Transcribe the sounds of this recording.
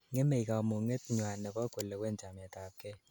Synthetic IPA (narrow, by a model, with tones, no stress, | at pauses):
ŋe˦me˨ika˨mo˨ŋe˦tɲwa˨nɛ˨kɔ˦ko˨le˨wɛ˦˨nt͡ʃa˨mɛ˨ta˨p̚kɛ˦